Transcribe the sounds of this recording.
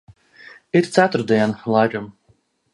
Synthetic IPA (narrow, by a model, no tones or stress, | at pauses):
iɾt̪sæt̪ʊɾd̪iɛnlˠajɾɨm